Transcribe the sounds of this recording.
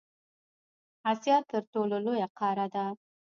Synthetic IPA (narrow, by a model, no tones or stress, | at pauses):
asjɑt̪əɾʈololojaqʰɑɾad̪a